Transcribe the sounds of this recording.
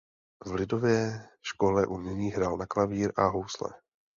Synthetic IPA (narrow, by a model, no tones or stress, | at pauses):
vlɪdo̞vjɛʃko̞lɛʔunɪɲiːɦɾaːlnaklaviːɾʔaɦowslɛ̰